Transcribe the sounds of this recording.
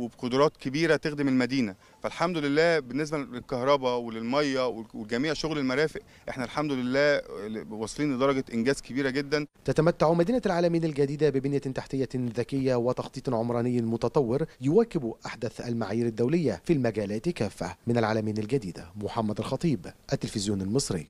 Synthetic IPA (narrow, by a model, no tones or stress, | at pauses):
webeqod̪ɾˤɑːt̪kebiːɾæt̪exd̪ɪmelmæd̪iːnæ | fælħamd̪ʊlɪlːæːbenːes̬bælelkɑhɾˤɑbɑwelelmɑjːɑwewelɡæmiːʕʃoɣlelmæɾæːfeʔ | ʔeħnælħamd̪ʊlɪlːæːwɑsˤːliːnled̪ɑɾˤɑɡæʔɪnɡæːzkebiːɾæɡed̪ːænt̪æt̪æmæt̪ːaʕumæd̪iːnælʕaːlæmiːnælɡæd̪iːd̪æbɪbɪnjæt̪aħt̪ɪjːæðækɪjːæwɪt̪ɑxt̪ˤiːt̪ˤʕomɾˤɑːnɪjːmʊt̪ɑt̪ˤɑwːɪɾjʊwæːkɪbuʔaħd̪æθʔælmaʕaːjiːɾɪd̪ːæwlɪjːæfilmæɡæːlæːt̪kæːfːæ̰mɪnælʕaːlæmijːnɪlɡæd̪iːd̪æ̰moħamːæd̪ælxɑt̪ˤiːbʔæt̪ːelfɪzjuːnɪlmɨsˤɾɪ̰ː